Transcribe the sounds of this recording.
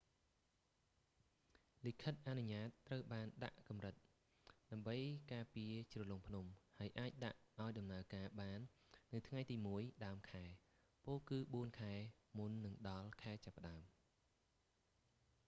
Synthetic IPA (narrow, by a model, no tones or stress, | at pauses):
likʰət̪̚ʔanuɲaːt̪ːrəwɓaːnɗa̰ʔkɑmrɨt̪̚ | ɗaəmɓəjkaːpiət͡ɕrɔloŋpʰnumhaəjʔaːc̚ɗa̰ʔʔaɔjɗɑmnaəkaːɓaːnː | ɨwt̪ʰŋajt̪iːmuəjɗaəmkʰaɛ | poːlkɨːɓuənkʰaɛ | munːɨŋɗɑlkʰaɛt͡ɕapːə̆ɗaəm